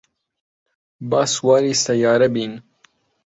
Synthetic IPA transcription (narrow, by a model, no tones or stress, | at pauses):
bɑːswɑːɾist̪ɐjɑːɾɐbiːn